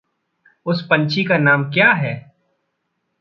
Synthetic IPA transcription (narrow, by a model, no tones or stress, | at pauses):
ʊspɐ̃nt͡ʃʰikanaːmkjaːɦɛː